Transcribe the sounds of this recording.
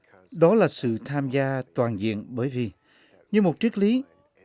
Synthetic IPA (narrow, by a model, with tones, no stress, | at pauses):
ɗɔ˨˦laː˨˩sɨ̰˧˨t̪ʰaː˧mzaː˧t̪waː˨˩nzḭ˧˨ənɓəː˧˦jvi˨˩ | ɲɨ˧mo˨˩t̚t͡ɕi˦˥k̚li˨˦